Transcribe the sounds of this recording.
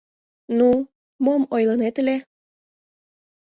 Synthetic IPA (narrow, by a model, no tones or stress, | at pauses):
nu | momojlənet̪le